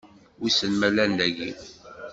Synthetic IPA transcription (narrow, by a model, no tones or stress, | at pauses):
wisənmælænd̪æʝi